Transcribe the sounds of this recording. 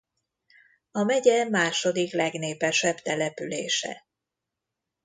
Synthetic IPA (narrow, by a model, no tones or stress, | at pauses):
ɒmɛɟɛmaːʃo̞d̪iklɛɡneːpɛʃɛbt̪ɛlɛpyleːʃɛ̰